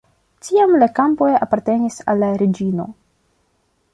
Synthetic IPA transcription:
tiamlakampojapaɾte̞nisa̰lːaɾed͡ʒino̞̰

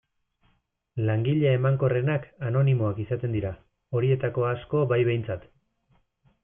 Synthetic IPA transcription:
laŋɡiʎeaemaŋko̞re̞nakano̞nimo̞akisat̪e̞nd̪iɾa | o̞ɾie̞t̪ako̞asko̞βajβe̞jnt͡sat̪

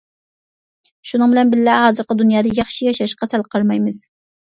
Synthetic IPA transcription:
ʃunɨŋbɪlɛnbɪllæhɑːzɨɾqəd̪unjɑːd̪ɑjɑχʃijɑʃɑʃqɑsælqʰəɾmɑjmɨz̥

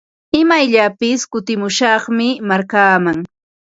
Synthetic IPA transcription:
ɪmajʎapɪskʊt̪ɪmʊʃɑχmɪmaɾkaːmaŋ

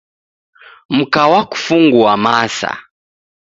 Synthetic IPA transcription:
m̩kawaku̥fuŋɡuamasa̰

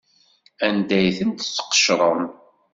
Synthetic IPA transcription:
ænd̪æjθənt̪t͡sːə̥qːə̥ʃɾˤəm

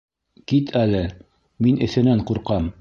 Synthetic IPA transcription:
kit̪ʰælɘ | minʔɘ̆θɘ̆næɴquɾqɑm

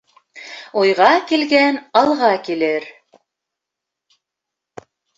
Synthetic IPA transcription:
ujʁɑkilɡænɑlˠʁɑkilɘɾ

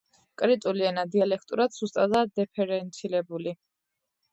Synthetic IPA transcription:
kʼɾit̪ʼuliɛnad̪ialɛkʰt̪ʼuɾad̪z̥ust̪ʼad̪ad̪ɛpʰɛɾɛnt̪sʰilɛbuli

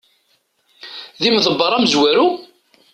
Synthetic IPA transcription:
ðimðəbːəɾˤæmzwæɾu

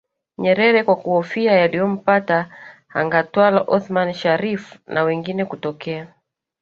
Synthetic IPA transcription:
ɲɛɾɛɾɛkwakuɔfiajalijɔm̩pataha̰ŋɡatwalaʔɔθmanʃaɾifnʔawɛŋɡinɛkutɔkɛa

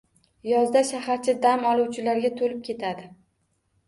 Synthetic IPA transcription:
jɒzd̪aʃahaɾt͡ʃʰɪd̪amɒlˠuwt͡ʃʰɪlaɾɡʲat̪ʰolɪp̚kʲe̞t̪ʰad̪ɪ

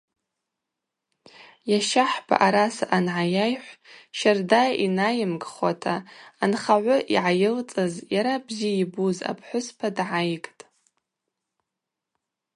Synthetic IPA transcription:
jaʃaħpʰa̰ʔaɾasaʔanʕajajħʷʃardainajɪmɡʼχwatʰaːnχaʕʷʊʔḭʕajɪlt͡sʼɨzjaɾabzijibuza̰pʰħʷʊspʰadʕajkʼtʼ

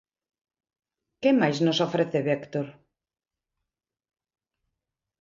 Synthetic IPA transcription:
kemajznosofɾeθeβekt̪oɾ

